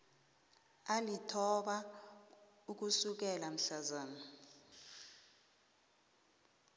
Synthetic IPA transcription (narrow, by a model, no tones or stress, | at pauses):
alitʰɔɓa | uk̬usuk̬ɛlam̩ɬazaːna